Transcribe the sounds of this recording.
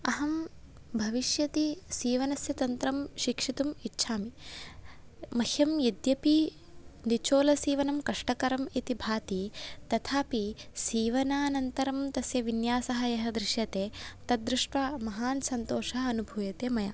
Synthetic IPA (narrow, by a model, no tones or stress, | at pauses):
ɐɦɐm | bʱɐʋiʃjɐt̪isiːʋɐnɐsjɐt̪ɐnt̪ɾɐmʃikʂit̪umitːʃʰaːmi | mɐhjɐmjɐd̪jɐpi | nit͡ʃoːlɐsiːʋɐnɐmkɐʂʈɐkɐɾɐmit̪ibʱaːt̪it̪ɐt̪ʰaːpisiːʋɐnaːnɐnt̪ɐɾɐmt̪ɐsjɐʋinjaːsɐɦɐjɐɦɐd̪ɾɪʃjɐt̪eːt̪ɐd̪ɾɪʂʈʋɐmɐɦaːnsɐnt̪oːʃɐɦɐɐnubʱuːjɐt̪eːmɐjaː